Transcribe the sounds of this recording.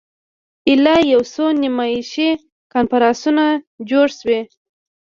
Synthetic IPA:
ɪlɑjawsonimɑjiʃe | kɑnfaɾɑsuna | d͡ʒoɽʃwe

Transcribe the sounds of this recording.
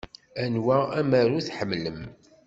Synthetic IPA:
ænwææmæɾuθħəmːləm

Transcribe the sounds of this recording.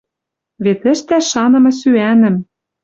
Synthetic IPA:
βet̪ɘ̆ʃt̪æʃɑnɤ̆mɤ̆syænɘ̆m

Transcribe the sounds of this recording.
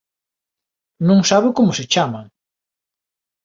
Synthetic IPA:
nũŋsaβekomʊsɪt͡ʃamaŋ

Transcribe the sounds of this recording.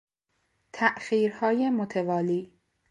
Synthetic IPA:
t̪ʰæʔxiːɾhɒːjemot̪ʰevɒːliː

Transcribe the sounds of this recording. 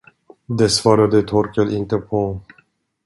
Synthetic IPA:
d̪ɛsvɑːɾad̪ət̪ʰɔɾkəlɪnt̪əpʰɔ

